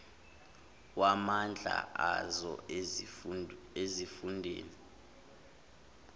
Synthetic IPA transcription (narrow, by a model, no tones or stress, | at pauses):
wamand͡ɮʱa̰ʔazɔ̰ | ezifundʱḛːli